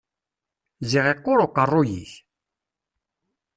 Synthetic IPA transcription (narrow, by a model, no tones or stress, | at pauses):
ziʁeqːoɾoqːərˤːojḭç